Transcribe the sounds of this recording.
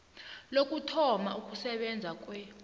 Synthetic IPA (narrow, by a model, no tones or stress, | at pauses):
lokʼutʰɔmaukʼusɛɓɛnd͡zʱakʼwɛ